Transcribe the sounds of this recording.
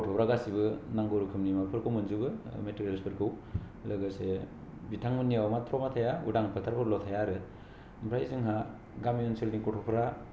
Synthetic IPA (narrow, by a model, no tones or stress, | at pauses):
kɔtʰɔpʰɾaɡasibɯnaŋɡoɾukʰɯmnimapʰɯɾkʰowmɯnzubɯmeteɾlspʰɯɾkʰɯw | lɯɡɯse | bitʰaŋmɯnijawmatʰɾɔmatʰajaṵdaŋpʰatʰaɾkʰɔɾlɔtʰajaɾɯ | mbʰɾajzɯŋɦa | ɡamiɔnselnikɔtʰɔpʰɾa